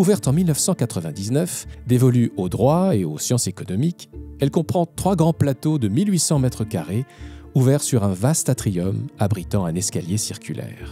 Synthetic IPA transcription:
uvɛʁt̪ɑ̃milnəfsɑ̃kat̪χəvɛ̃d̪iznœfd̪evɔlyod̪ʁwaeosjɑ̃sekɔnɔmikɛlkɔ̃pχɑ̃t̪χwaɡʁɑ̃plat̪od̪əmilɥisɑ̃mɛt̪χəkaʁeuvɛʁsyʁɛ̃vast̪at̪χijɔmabʁit̪ɑ̃ɛ̃nɛskaljesiʁkʲylʔɛ̰ːʁ

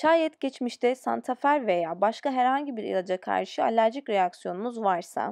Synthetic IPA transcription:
ʃʰaːjɛt̪ɟ̥ʲɛt͡ʃmiʃt̪ʰɛsa̰nt̪ʰafæɾve̞jaːbaʃkaɦæɾhaɲɟibiɾḭlˠad͡ʒakʰa̰ɾʃɯalʲæɾʒicɾejaksijo̞numuzvaɾsa̰

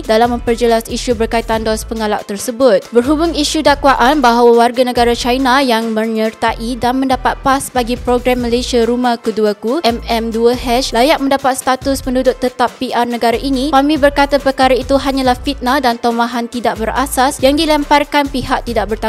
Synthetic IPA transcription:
dalamːə̃mpərd͡ʒəlasiʃubərkait̪andɔspəŋalaʔ̚t̪ərsəbʊt̪̚bərɦubʊŋiʃudakwaʔanbaɦawawarɡanə̃ɡaɾat͡ʃajnajaŋmə̃ɲərt̪aʔidanmə̃ndapat̪̚pasbaɡipɾoɡɾamːəlesiaɾumahkuduakuɛmɛmduəɦɛt͡ʃlajaʔ̚mə̃ndapat̪̚st̪at̪ʊspəndudʊʔ̚t̪ət̪apːiʔarnə̃ɡaɾaʔinĩkamĩbərkat̪apərkaɾait̪uɦaɲãlahfit̪̚naldant̪omaɦant̪idaʔ̚bəra̰sasjaŋdilɛmparkanpiɦak̚t̪idaʔ̚bərt̪a

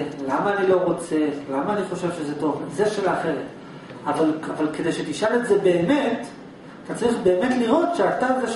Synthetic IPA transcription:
lamaːnilo̞ʁo̞t͡se̞lamaːniχo̞ʃe̞vʃe̞zeto̞vzeʃelaχe̞ʁet | avalavalkedejʃetiʃale̞tze̞be̞ːme̞t | atat͡saʁiχbe̞ːme̞tliʁo̞tʃeataekaʃ

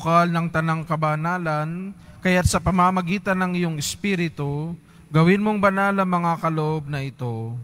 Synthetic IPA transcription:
kalnɐŋt̪ɐnaŋkɐbɐnaːlɐn | kɐjat̪̚sɐpɐmamɐɡiːt̪ɐnɐŋɪjoŋɛspiɾɪt̪u | ɡɐwɪnmoŋbɐnalɐŋmɐŋakɐloʔo̞b̚nɐʔɪt̪o̞

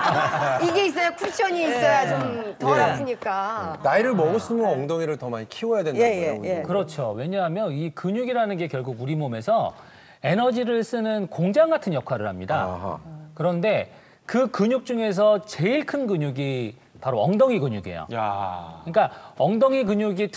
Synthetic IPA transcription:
iɡe̞is̬͈ʌjakʰut͡ɕʰʌɲiːs͈ʌjat͡ɕommtʌɾasɯɲik͈anaiɾɯɭmʌɡɯs͈ɯmoʌŋdʌŋiɾɯɭtʌmaɲikʰiwojadwenakɯɾʌt͡ɕʰowe̞ɲaɦamjʌnikɯɲuɡiɾanɯnɡe̞kjʌɭɡuɡuɾimome̞sʰʌ | e̞nʌd͡ʑiɾɯɭs͈ɯnɯnkoŋd͡ʑaŋɡatʰɯnjʌp̚kʰaɾɯɭhamɲida̰kɯɾʌnde̞ | kɯkɯɲuk̚t͡ɕ͈uŋe̞s̬ʰʌt͡ɕe̞iɭkʰɯnɡɯɲuɡi | paɾoʌŋdʌŋiɡɯɲuɡḛjo̰ | ɯɲik͈aʌŋdʌŋikɯɲuɡitʰ

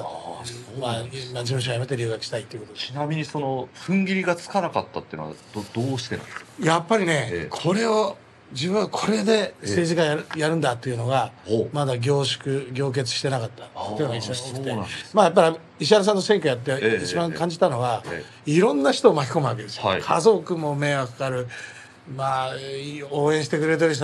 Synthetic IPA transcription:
mamad͡ʑiɯ̃ɕoajame̞t̪e̞ɾʲiɯ̟ːɡaki̥ɕi̥t̪ait̪ːeiɯkot̪od̪einamʲiɲ̟isono̞ɸɯ̟̃ŋɡʲiɾʲiɡat͡sɨ̥kanakat̪ːat̪ːeiɯ̰no̰a̰d̪od̪̥oːɕi̥t̪e̞nã̰e̥kjapːaɾʲine̞kʰo̞ɾe̞o | d͡ʑibɯ̟̃ɰ̃ːakʰo̞ɾe̞d̪e̞se̞ːʑikajajaɾɯ̟̃nd̪at̪ːe̞iɯ̟no̞ɡamad̪aɡʲo̞ːɕi̥kɯ̟ɡʲo̞ːk̬e̞t͡sɨ̥ɕi̥t̪e̞nakat̪ːḁt̪eiɯnoaisːoɕi̥t̪eit̪emaːjap̬ːaɾʲi | iɕ̬iaɾas̬ãnːo̞sẽ̞ŋkʲojat̪̬ːeit͡ɕibãŋkãɲ̟d͡ʑit̪ano̞ɡa | iɾõ̞nːaçi̥t̪o̞ːmakʲi̥ko̞mɯ̟βak̬e̞d̪e̞sɨ̥joikʰazo̞kɯ̟mo̞me̞ːβakakaɾɯ̟ | maː | o̞ːẽɕi̥t̪e̞kɯɾe̞t̪̬eɾiɕ̬

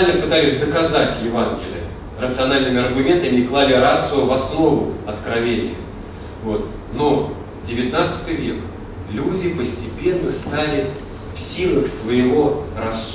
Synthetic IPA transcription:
lʲnəpɨt̪alʲɪsʲd̪əkɐzatʲjɪvanɡʲɪ̰lʲɪ̰ə | rət̪sɨɐnalʲnɨmʲɪɐrɡʊmʲe̞nt̪ɨɐnʲiklˠalʲɪɾat̪sʊəvɐsno̞vʊ̰ɐt̪kɾɐvʲenʲɪ̰jə̰ | vo̞t̪ | no̞ | dʲɪvʲɪt̪nat̪sɨ̥t̪ɨjvʲe̞̰k | lʲudʲɪpəsʲtʲɪpʲe̞nːəst̪alʲɪ | fsʲilˠəxsvəjɪvo̞rɐs

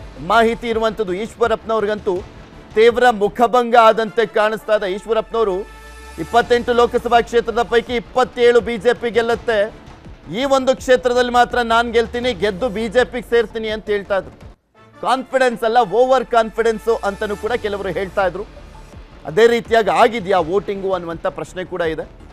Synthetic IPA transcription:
maːɦit̪iːɾuʋɐnt̪ɐd̪ujiːʂʋɐɾɐpnɐʋɾɡɐnt̪u | t̪iːʋɾɐmukʰɐbɐŋɡɐaːd̪ɐnt̪e̞kaːɳist̪aːjd̪eiːʂʋɐɾɐpnɐʋɐɾu | ipːɐt̪ːe̞ɳʈuloːkɐsɐbʱaːkʂeːt̪ɾɐd̪ɐpɐjkeipːɐt̪ːeːɭubiːd͡ʒe̞ːpiɡɛlːɐt̪ːe̞ | iːʋo̞nd̪ukʂeːt̪ɾɐd̪ɐlːimaːt̪ɾɐnaːnɡeɭt̪iːniɡed̪ːubiːd͡ʒe̞ːpiɡseːɾt̪iːniɐnt̪ɐɦeːɭt̪aːjd̪ɾu | kaːnpʰiɽe̞nsɐlːɐoːʋɐɾkaːnpʰiɽensʔɐnt̪ɐnːuːkuːɽɐkɛlɐʋɐɾuɦe̞ːɭt̪aːjd̪ɾu | ɐ̰d̪e̞ːɾiːt̪ijaːɡiaːɡid̪jaːʋoːʈiŋɡuɐnːuʋɐnt̪ɐpɾɐʃne̞kuːɽɐid̪e̞

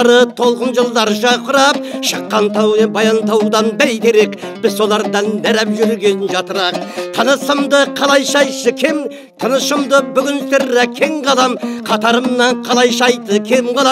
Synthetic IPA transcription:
ɾət̪ʰo̞lˠqənʒəlˠd̪ɑɾʃɑqʊɾɑp̚ʃəqːɑnt̪ʰɑbɑjɑnt̪ʰɑwd̪ɑnbæjt̪eɾe̞kb̥ɪzsːo̞lˠɑɾd̪ɑnːæɾæpʒʏɾlɡʲe̞nɪnʒɑt̪əɾɑq̚t̪ʰənəsəmd̪əqʰɑlˠɑjʃɑjsəkʲʰem | t̪ʰənəʃəmd̪əbʏɡʲɪnst̪eɾːækʲʰe̞ŋʁɑlˠɑmqʰɑt̪ɑɾəmnɑɴqʰɑlˠɑjʃɑjt̪əkʲʰemqɑlˠ

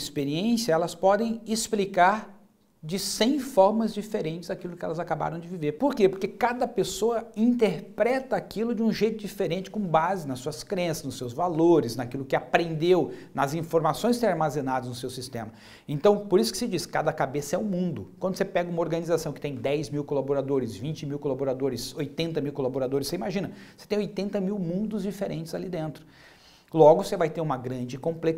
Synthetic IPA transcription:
ispeɾiẽsijɐɛlɐspɔd̪ẽj̃esplikaɾ | d͡ʒɪsẽj̃fɔɾmɐzd͡ʒifeɾẽnt͡ʃɪzd̪akilʊkɪɛ̰lɐzakaba̰ɾɐ̃w̃d͡ʒɪviveɾpoɾkepoɾkekad̪ɐpesoɐĩnt̪eɾpɾɛt̪ɐːkilʊd͡ʒɪũʒejt̪ʊd͡ʒifeɾẽnt͡ʃɪ̥kõbazɪnɐssːuɐskɾẽsɐznʊsːewzvaloɾɪznakilʊkɪapɾẽnd̪ewnɐzĩfoɾmasõj̃seɾaɾmazẽnad̪ɐznʊsewsist̪ḛ̃mɐ | ẽnt̪ɐ̃w̃poɾisʊ̥kɪ̥sɪd͡ʒiskad̪ɐkabesɐɛʊmũnd̪ʊkwɐ̃nd̪ʊsepɛɡɐũmɐoɾɡɐnizasɐ̃w̃kɪ̥t̪ẽj̃d̪ɛjzmiwkolaboɾad̪oɾɪzvĩnt͡ʃɪmiwkolaboɾad̪oɾɪsojt̪ẽnt̪ɐmiwkolaboɾad̪oɾɪseimaʒĩnɐse̥t̪ẽj̃ojt̪ẽnt̪ɐmiwmũnd̪ʊzd͡ʒifeɾʔẽnt͡ʃɪz̥alid̪ẽnt̪ɾʊ̥ | lɔɡʊsevajt̪eɾũmɐɡɾɐ̃nd͡ʒɪkõmplek

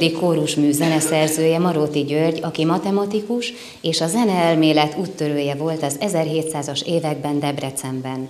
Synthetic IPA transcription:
d̪ikoːɾuʃmyːzɛnɛsɛrzøːjɛmɒɾoːt̪iɟørɟɒkimɒt̪ɛmɒt̪ikuʃ | eːʃɒzɛnɛɛlmeːlɛt̪uːt̪ːøɾøːjɛvo̞lt̪ɒzɛzɛrɦeːt̪saːzɒʃeːvɛɡ̚bɛnd̪ɛbrɛt̪sɛmbɛn

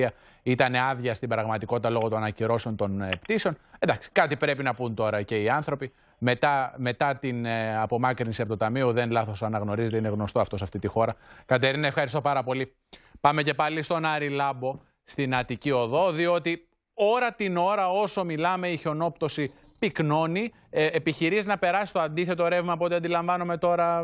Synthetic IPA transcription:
ɐ | it̪ɐne̞ɐðʝɐst̪ibɾɐɣmɐt̪iko̞t̪it̪ɐlo̞ɣo̞t̪onɐnɐciɾo̞se̞o̞nt̪o̞npt̪iseo̞nend̪ɐksi̥kɐt̪ipɾe̞pinɐpunt̪o̞ɾɐce̞iɐnθɾo̞pi | me̞t̪ɐme̞t̪ɐt̪inɐpo̞mɐkɾinsiɐpot̪ot̪ɐmio̞ðe̞nlɐθo̞sɐnɐɣno̞ɾizet̪eineɣno̞st̪o̞ɐft̪o̞sɐft̪it̪ixo̞ɾɐkɐt̪e̞ɾinɐefxɐɾist̪o̞pɐɾɐpo̞li | pɐme̞ce̞pɐlist̪o̞nɐɾilɐbo̞ | st̪inɐt̪icio̞ðo̞ðio̞t̪i | o̞ɾɐt̪ino̞ɾɐo̞so̞milɐme̞iço̞no̞pt̪o̞si | pikno̞ni | epiçiɾizinɐpe̞ɾɐsi̥st̪oɐnd̪iθe̞t̪o̞ɾe̞vmɐːpo̞t̪iɐnd̪ilɐɱvɐnome̞t̪o̞ɾɐ

